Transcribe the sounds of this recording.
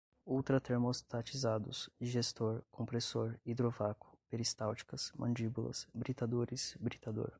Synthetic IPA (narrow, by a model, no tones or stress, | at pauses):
uwt̪ɾɐt̪eɾmost̪at͡ʃizad̪ʊsd͡ʒiʒest̪oɾkʰõmpɾesoɾid̪ɾovakʊ̥peɾist̪awt͡ʃi̥kɐsmɐ̰̃nd͡ʒibulɐ̰sbɾit̪ad̪oɾɪsbɾit̪ad̪o̰ɾ